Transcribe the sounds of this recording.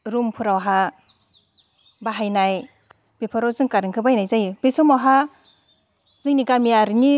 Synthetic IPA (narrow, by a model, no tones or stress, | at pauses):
ɾumpʰuɾawɦa | baɦajnaj | b̥epʰɔɾawzɯŋkaɾɯŋkʰɯbajnajzajbesumawɦa | zɯŋniɡamiaɾini